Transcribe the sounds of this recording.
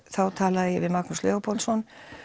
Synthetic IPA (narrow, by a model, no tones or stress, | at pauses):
θawt̪ʰaːlaðɪjɛvɪðmaknuslɛɔpʰɔlsɔn